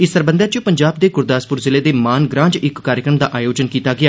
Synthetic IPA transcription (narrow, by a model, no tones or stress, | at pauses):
ɪsəɾbə̃nd̪jãːt͡ʃəpəɲd͡ʒaːb̚d̪eːɡʊɾd̪aːspʊɾzɪleːd̪eːmaːnɡɾãːd͡ʒɪkːaːɾjəkɾəmd̪aːʔaːjoːd͡ʒənkiːt̪aːɡɪaː